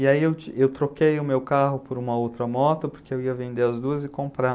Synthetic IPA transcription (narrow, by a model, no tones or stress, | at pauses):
ɪaiewt͡ʃewt̪ɾokejʊmewkaɦʊpʊɾũmɐowt̪ɾɐmɔt̪ʊpoɾkeewiɐvẽnd̪eɾɐzd̪uɐzɪkõmpɾa